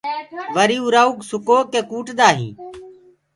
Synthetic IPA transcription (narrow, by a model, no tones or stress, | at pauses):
ʋəɾiːuːɾaːuːksʊkoːkeːkuːʈd̪aːɦḭ̃ː